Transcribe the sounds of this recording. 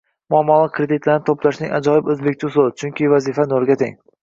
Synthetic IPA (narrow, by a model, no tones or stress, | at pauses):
mʊamːɒlˠɪkʰɾed̪it̪ʰlaɾnɪt̪ʰoplaʃnɪŋʲa̰d͡ʒɒjɪbɵzbek̚ʲt̪ʰʊsʊlt͡ʃʰʊŋkʲɪvazifanoɾɡʲat̪ʰeŋ